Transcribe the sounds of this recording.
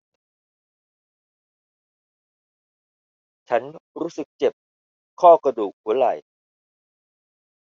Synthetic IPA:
t͡ɕʰa˦˥nɾuː˦˥sɯ˨˩k̚t͡ɕe˨˩p̚ | kʰɔː˥˩kɾa˧duː˨˩k̚hu˩˦ɐɾa˨˩j

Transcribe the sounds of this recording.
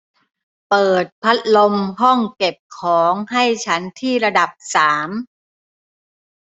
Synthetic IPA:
pɤː˨˩t̪̚pʰa˦˥t̪̚lo˧mɦɔ˥˩ŋke˨˩p̚kʰɔː˩˦ŋɦa˥˩jt͡ɕʰa˦˥nt̪ʰiː˥˩ɾa˧da˨˩p̚saː˩˦m

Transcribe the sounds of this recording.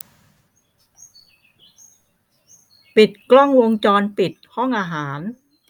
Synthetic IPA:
pi˨˩t̪̚klɔ˥˩ŋwo˧ŋt͡ɕɔː˧npi˨˩t̪̚hɔ˥˩ŋʔaː˧ɦaː˩˦n

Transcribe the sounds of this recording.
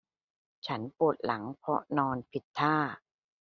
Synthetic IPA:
t͡ɕʰa˦˥npu˨˩t̪̚la˩˦ŋpʰɔ˦˥nɔː˧npʰi˨˩t̪ʰːaː˥˩

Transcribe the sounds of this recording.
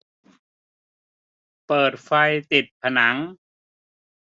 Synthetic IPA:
pɤː˨˩t̪̚fa˧jt̪i˨˩t̪̚pʰa˧na˩˦ŋ

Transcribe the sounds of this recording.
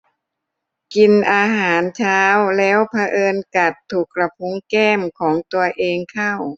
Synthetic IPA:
ki˧nʔaː˧ɦaː˩˦nt͡ɕʰaː˦˥wlɛː˦˥wpʰa˧ʔɤː˧nka˨˩t̪ʰːu˨˩k̚ɾa˧pʰu˧˦˥ŋkɛː˥˩mkʰɔː˩˦ŋt̪u˧ɐʔeː˧ŋkʰa˥˩w

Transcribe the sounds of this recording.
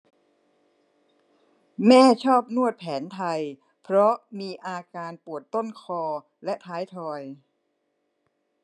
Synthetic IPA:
mɛː˥˩t͡ɕʰɔː˥˩p̚nu˥˩ət̪̚pʰɛː˩˦nt̪ʰa˧j | pʰɾɔ˦˥miː˧ʔaː˧kaː˧npu˨˩ət̪ːo˥˩nkʰɔː˧ | lɛ˦˥ʔt̪ʰaː˦˥jt̪ʰɔː˧j

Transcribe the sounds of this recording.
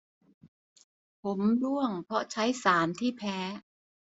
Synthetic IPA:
pʰo˩˦mdu˥˩əŋpʰɾɔ˧˥t͡ɕʰa˦˥jsaː˩˦nt̪ʰiː˥˩pʰɛː˦˥

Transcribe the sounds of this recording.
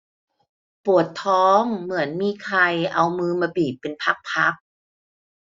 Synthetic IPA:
pu˨˩ət̪ʰɔː˦˥ŋmɯ˩˦ənmiː˧kʰa˧jʔa˧wmɯː˧maː˧biː˨˩p̚ːe˧npʰa˦˥k̚pʰa˦˥k̚

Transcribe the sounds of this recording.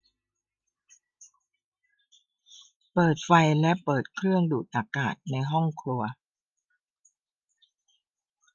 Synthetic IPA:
pɤː˨˩t̪̚fa˧jlɛ˦˥ʔpɤː˨˩t̪̚kʰɾɯ˥˩əŋduː˨˩t̪̚ʔa˧˩kaː˨˩t̪̚na˧jɦɔ˥˩ŋkʰɾu˧ɐ

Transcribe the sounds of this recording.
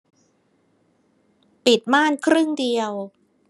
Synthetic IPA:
pi˨˩t̪̚maː˥˩nkʰɾɯ˥˩ŋdi˧əw

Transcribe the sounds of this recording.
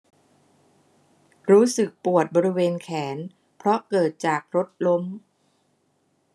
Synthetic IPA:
ɾuː˦˥sɯ˨˩k̚pu˨˩ət̪̚bɔː˧ɾi˧weː˧nkʰɛː˩˦n | pʰɾɔ˦˥kɤː˨˩t̪̚t͡ɕaː˨˩k̚ɾo˦˥t̪̚lo˦˥m

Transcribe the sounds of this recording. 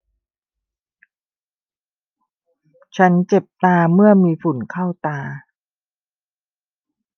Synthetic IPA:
t͡ɕʰa˦˥nt͡ɕe˨˩p̚t̪aː˧mɯ˥˩ɐəmiː˧fu˨˩˦nkʰa˥˩wt̪aː˧

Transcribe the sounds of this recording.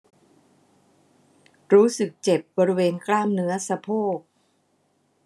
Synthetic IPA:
ɾuː˦˥sɯ˨˩k̚t͡ɕe˨˩p̚bɔː˧ɾi˦˥weː˧nklaː˥˩mnɯ˦˥ɐsa˧pʰoː˥˩k̚

